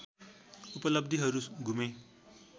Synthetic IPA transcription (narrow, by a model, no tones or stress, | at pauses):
upʌlʌb̚d̪ʱiɦʌɾuɡʱume